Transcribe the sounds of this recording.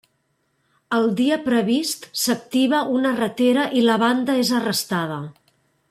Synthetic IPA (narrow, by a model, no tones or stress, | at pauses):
əlˠd̪iəpɾəβist̪sək̚t̪iβ̞əʔunərət̪eɾəʔiləβ̞and̪əezərəst̪að̞ə